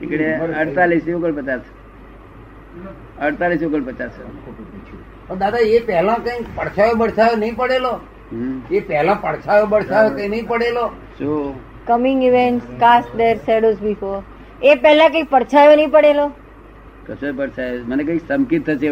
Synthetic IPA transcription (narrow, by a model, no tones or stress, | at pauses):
ikɽeəɽt̪alisiokəɭpət͡ʃas | əɽt̪alisukəlpət͡ʃas | əd̪ad̪aepɛɦlãkə̃ikpəɽt͡ʃʰajobəɽt͡ʃʰajonəĩpəɽelo | ɦepɛɦlãpəɽt͡ʃʰajobəɽt͡ʃʰajokəĩnəĩpəɽelo | ʃũ | kəmɪ̃ŋɡiʋeɳʈskasʈd̪eɾsɛɽosbifoɾ | epɛɦlãk̬ə̃ĩkpəɾt͡ʃʰajonəɦĩpəɽelo | t̪əsoepəɾt͡ʃʰajomənekəiksəmkit̪ʰːəʃe